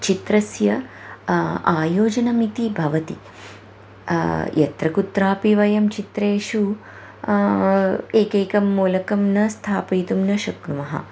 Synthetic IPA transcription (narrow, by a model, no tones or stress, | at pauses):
t͡ʃit̪ɾɐsjɐ | aːjoːd͡ʒɐnɐmit̪ibʱɐʋɐt̪ḭ | jɐ̰t̪ɾɐkut̪ɾaːpiʋɐjɐmt͡ʃit̪ɾeːʃu | eːkeːkɐmːuːlɐkɐmnɐst̪ʰaːpijt̪umnɐʃɐkɳuʋɐɦɐ̰